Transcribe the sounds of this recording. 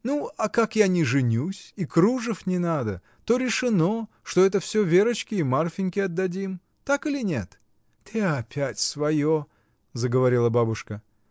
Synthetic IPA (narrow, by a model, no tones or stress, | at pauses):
nuɐkakjanʲɪʐɨnʲusʲikɾuʐɨfnʲɪnad̪ə | t̪o̞ɾʲɪʂɨno̞ | ʂt̪o̞ɛt̪əfsʲɵvʲeɾət͡ɕkʲɪːmarfʲɪnʲkʲɪɐd̪ːɐdʲim | t̪akɨlʲɪnʲe̞t̪ | t̪eɐpʲætʲsvɐjo | zəɡəvɐɾʲilˠəbabʊʂkə